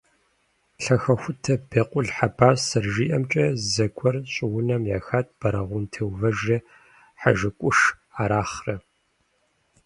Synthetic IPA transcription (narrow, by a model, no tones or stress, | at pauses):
ɬɐxɐxʷʊtʰɐb̥eːqʷʼʊɮħabʰaːsɐrʒiːʔɐmt͡ʃʼɐzɐkʷʼɔrɕʼɪwʊnɐmjaːxaːt̚ʰb̥ɐɾɐʁʷʊntʰewvɐʒe | ħaʒɨkʷʼʊʂ | aːɾaːχrɐ